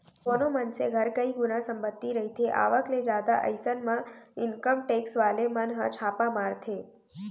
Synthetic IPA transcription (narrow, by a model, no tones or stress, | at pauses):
konomənseɡʱəɾkəiɡunãsəmbət̪ːiɾəɦit̪ʰeʔa̰ʋəkled͡ʒad̪a̰ʔə̰jsənmãɪnkəmʈeksʋalemənɦə̰̃t͡ʃʰapãmaɾt̪ʰe